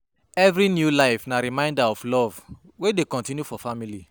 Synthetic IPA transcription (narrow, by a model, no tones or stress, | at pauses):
ɛvɾinjulaɪfnaɾimãɪ̃ndaɔflɔv | wedekɔ̃ntĩnjufɔfamili